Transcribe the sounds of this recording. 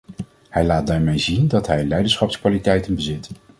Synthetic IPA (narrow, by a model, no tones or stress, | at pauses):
hɛjlaːt̚daːɹmejzindɑtɦɛjlɛjdənsχɑpskʋaːlitɛjtənbəzɪt